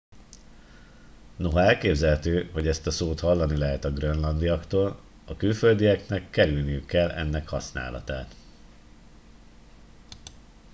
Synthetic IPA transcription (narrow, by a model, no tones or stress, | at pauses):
no̞ɦɒɛlkeːbzɛlɛt̪øːɦo̞ɟɛst̪ɒsoːt̪hɒlːɒnilɛɦɛt̪ɒɡrønlɒnd̪iɒkt̪oːl | ɒkylføld̪iɛknɛkːɛɾylnijykːɛlːɛ̰nːɛkhɒsna̰ːlɒ̰t̪a̰ːt̪